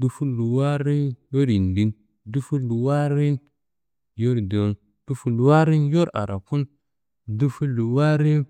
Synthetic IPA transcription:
du˦fu˦lu˨wa˦ɾi˦njo˦ɾi˨ndi˦n | du˦fu˦lu˨wa˦ɾi˦n | jo˦ɾdo˨n | d̥u˦fu˨lu˨wa˦ɾi˦njo˦ɾa̰˨ɾa˨ku˦n | du˦fu˦lu˨wa˦ɾi˦n

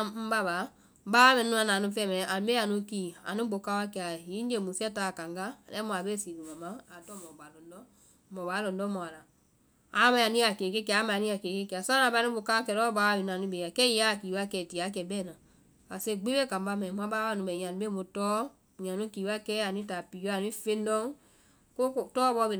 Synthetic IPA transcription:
m̩˦ba˦ba˨˦ | ba˦wa˦mɛ̃˨˦nũ˦a˨˦nã˨nũ˧˦fɛ˦˨mɛ̃˨˦ʔa˨n˦be˦a˨nũ˧˦ki˨a̰˨nũ˦bo˨ka˦wa˦kɛ˨a˨ji˨˦e˨mũ˨sɛ˦ta˨˦˨ka˨ŋɡa˦˨lɛ˦mɔ̃˨a˨be˦˨si˨lu˨mã˨mã˦a˨tɔ˦mɔ̃˨ba˨lɔ̃˨ndɔ˦ | mɔ˨ba˨˦lɔ̃˨ndɔ˦mɔ˨a˨la˨ | a˨˦mã˧˦a˨nĩ˦a˨keː˨ke˦kɛ˧˨a˨˦mã˨nĩ˦a˨ke˨ke˦kɛ˨a˨sa˦nã˧˨ba˧˦nũ˦bo˨ka˦wa˦kɛ˧lɔ˦ba˨˦wa˧˨ju˨nã˨nũ˧˦be˨a˨kɛ˦ja˦a˨ki˨˦wa˦kɛ˧˨ti˨a˨˦kɛ˨bɛː˦˨nã˨ | a˨se˦ɡ͡bi˦be˦˨kã˨mba˦mɛ̃˨mũ˨ã˧˦baː˦wa˦˨nũ˨˧bɛ˨ɲ˨ã˨nũ˦be˦mõ˧tɔː˦ | ɲã˨nũ˨˦kiː˨wa˦kɛ˦a˨nĩ˦ta˨pi˨jɔ˦a˨nũ˦i˦fe˦ndɔ̃˦ŋ | ko˦˨tɔː˦bɔ˧˦be˧˨

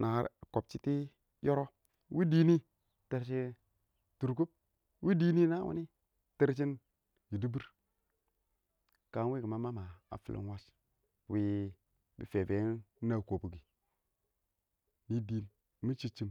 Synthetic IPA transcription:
na˨ɾko˨p̚t͡ʃi˦ti˦ | jo˦ɾo˦ | wi˦di˦ni˦ | ti˨ɾt͡ʃ̬i˦ | tu˨ɾku˦p̚ | wi˦di˦ni˦na˦wa̰˦ni˦ | ti˦ɾt͡ʃ̬i˦n | ji˨di˦bi˦ɾ | ka˨˦nwi˦ki˨ma˦ma˦ma˨a̰˨fṵ˨lʔḭ˨nwa˦s | wi˦ | bḭ˨fe˨ve˨˦na˦˨ko˨pu˨ɡi˨ | ni˦di˨n˦ | mi˦t͡ʃi˦t͡ʃːi˦m

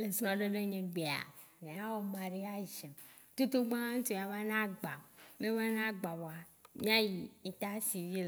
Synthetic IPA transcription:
le˨sɔ̃˨ɖe˦ɖe˦ɲẽ˦ɡ͡be˨a̰˨ | ɲẽ˨a˦wo˨mã˨ɾi˦a˦ʒe˨m | t̪o˦t̪o˦ɡ͡bã˦ŋ̩̃˦t̪u˨˦ja˨va˦nã˦ɡ͡ba˨nẽ˦va˦nã˦ɡ͡ba˨wo˨a˨ | mĩ˦ã˦ji˨e˨t̪a˦si˨vi˦l

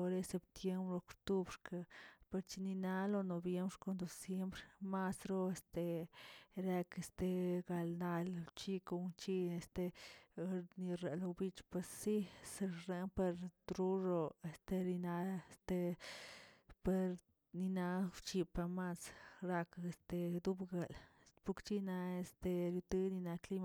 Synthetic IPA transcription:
o˧ɾe˧se˧pt̪je˦mbɾo˨˧kt̪u˦bɾka˧pe˧ɾt͡ʃi˧ni˧na˧lo˧no˧bje˦mbɾko˧nd̪o˧˨sje˦mbɾma˦sɾo˦e˧st̪e˧ɾe˧ke˧st̪e˧ɡa˧lna˧lt͡ʃi˦ko˧nt͡ʃi˧e˧st̪e˧ɾni˧ɾe˨lo˧bi˦t͡ʃpe˧sːi˦se˧ɾe˧npe˧ɾɾu˦ɾo˧e˧st̪e˧ɾi˧na˧st̪e˧ | pe˧ɾ | ni˧nḁ˧t͡ʃi˧pa˧ma˧sɾa˧ke˧st̪e˧d̪u˦bɡe˨lpu˧kt͡ʃi˦na˧e˧st̪e˧ɾju˧t̪ɨ˦ni˧na˧kli˦m

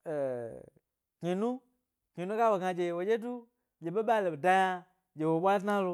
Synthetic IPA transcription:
ɛ˨ | kĩ˨nũ˦ | kĩ˨˦nũ˦ka˦wo˨kã˧d͡ʒe˨wo˨˦d͡ʒe˦t̬u˦ | d͡ʒe˨pə˦ɓa˧˦le˨bdã˧˦ã˧ | d͡ʒe˨wo˨˦ɓʷa˦lt̬ã˦˧lo˧

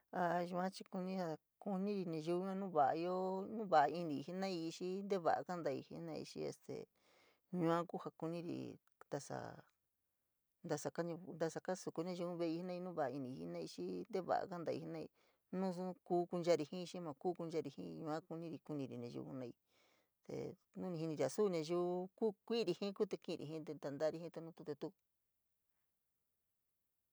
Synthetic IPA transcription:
a˧ʒũ˧ã˦t͡ʃi˧ku˧nĩ˦ha˧ | ku˧nĩ˦ɾi˧nẽ˨˧ʒu˧ɲũ˦ã˦nũ˦βa˨ʔa˧jo˦nũ˦βa˨ʔa˧i˧nĩ˧hi˦nã˦i˧ʃi˦nd̪e˦βa̰˨ʔa˧ka˦nd̪a˧ḭ˧hḭ˦nã˧ḭ˧ʃḭ˦ḛ˧st̪ḛ˨ | ɲũ˧ã˦ku˦ha˧ku˧nĩ˦ɾḭ˨ | nd̪a˧sa̰˨ | nd̪a˧sa˧ka˦ɲũ˧nd̪a˧sa˧ka˦su˨ku˧nẽ˦˧u˧ũ˦βe˦˧i˧hi˦nã˦i˧nũː˦βa˨a˧ĩ˧nĩ˧˨˧hi˧˦nã˦i˧t͡ʃi˦nd̪e˦βa̰˨a̰˧ka˦nd̪a˧ḭ˧hi˧nã˦˧ḭ˧ | nũ˦su˦kuː˦ku˧nd͡ʒa˦˧ɾi˧hĩ˦˧ʃĩ˦mã˧˨ku˦ku˧nd͡ʒa˦˧ɾi˧hḭ̃˦ɲũ˧ã˦ku˧nĩ˦ɾi˧ku˧nĩ˧ɾi˨ɲã˧ʒṵ˧u˧˦nã˦˧i˧ | t̪ḛ˨ | nũ˦nĩ˧i˧nĩ˧ɾi˨a˨su˦˧ɲã˧ʒu˧ku˦kʷi˦˧ɾi˧hĩ˦ku˦t̪e˧kĩ˦˧ɾʔḭ˨ɦĩ˦d̪e˧nd̪a˧nd̪a˦˧ɾi˧˦ĩ˦t̪e˧nũ˦t̪u˧t̪e˧t̪u˦

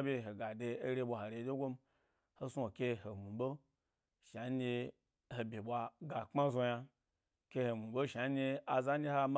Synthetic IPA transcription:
bʲe˧ɦo˨ɡa˨de˧e˦ɾe˧ɓʷa˧ha˨ɾe˧˨de˦ɡʷo˦m̩˦ | ho˧su˦o˨kʲe˧he˨mu˨bo˦ | ʃa˨˦ne˧ | ho˨bʲe˨bʷa˧ɡa˨k͡pa˦zo˧ja˧ | kʲe˧he˨mu˨bo˦ʃa˨˦ne˧a˧za˦ne˦ha˦m˦

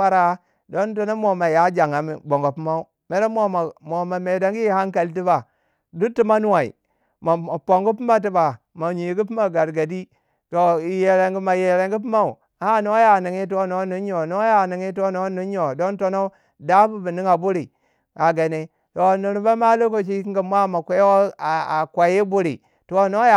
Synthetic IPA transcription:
a˦ɾa˦ | do˦nto˦no˦mo˨ma˨ja˨˦d͡ʒa˨ŋa˨mḭ˨bo˨ŋɡo˨pi˦ma˦u˦ | me˦ɾe˦mo˨ma˨mo˨ma˨me˨da˨ŋɡi˦ji˨ha˦ŋka˨lti˦ba˨ | du˦ti˦ma˦nu˦wa˨ḭ˨ | ma˨po˨ŋɡu˦pi˦ma˦t̬i˦ba˨ | ma˨ɲi˨˦ɡi˦p̬i˦ma˦˨ɡa˨dɡa˨di˦ | to˨je˨ɾe˨ŋɡi˦ma˨je˨ɾe˨ŋɡi˦p̬i˦ma˦u˨ | a˨a˦no˦ja˨ni˨ŋi˦t̬o˦no˦ni˦ɲo˨no˦ja˨ni˨ŋi˦t̬o˦no˦nu˦ɲo˨do˦nto˦no˦u˦ | da˦bu˦bi˨ni˦ŋa˨bu˦ɾi˨ | a˨ɡa˨ne˨ | to˨nu˨ɾba˦ma˦lo˦ko˦t͡ʃi˦kɡi˨mʷ˦a˦˨ma˨kʷa˨˦wo˦˨a̰˨kʷa˨ji˦bu˦ɾi˨ | to˦˨˦no˦ja˨

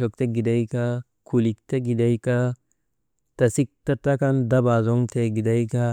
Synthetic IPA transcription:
ɔ˨k̚t̪e˦ɡɪ˨d̪ɐ˦jka | kʰu˨li˨k̚t̪e˦ɡɪ˨d̪ɐ˦jka˦ | t̪ɐ˨si˦k̚t̪ɐ˦t̪ɐ˦kɐ˦nd̪ɐ˦baː˨zɔ˦ŋt̪ʰɛ˨ɡɪ˨d̪ɐ˦jka

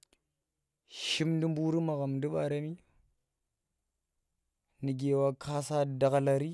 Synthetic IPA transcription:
ʃi˦mndi˦mbu˦ɾi˦ma˨ɣa˨mndi˦ɓa˨ɾa˦mi˦ | ni˨ɡe˨wa˦kʰa˦sa˦da˨ɣa˨la˨ɾi˦

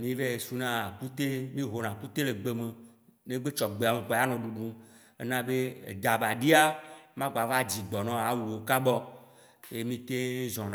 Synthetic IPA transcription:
mĩ˦ve˦e˨su˦nã˦˨ku˦t̪e˦mĩ˦ɦo˨nã˨ku˦t̪e˦le˨ɡ͡be˨me˨ | ne˦ɡ͡be˦t͡ʃɔ˨ɡ͡be˨a˨me˨k͡pɔ˨˦a˦nɔ̃˨ɖu˨ɖũ˦ | ḛ˦nã˦bḛ˦˨d̪a˨ba˨ɖi˦a˦mã˦ɡ͡ba˨va˦d͡ʑi˨ɡ͡bɔ˨nɔ̃˦a˨wu˨wo˨ka˦ɡ͡bɔ˦ | je˦mĩ˦t̪e˦zɔ̃˨ñ˨

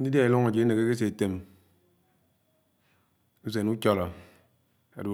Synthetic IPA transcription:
n̩˦di˦de˦e˨lu˦ŋa˨d͡ʒe˨˦ne˨ke˦ke˦s̬e˨te˨m | u˦s̬e˨nu˦t͡ʃɔ˦lɔ˨ | a̰˨du˨

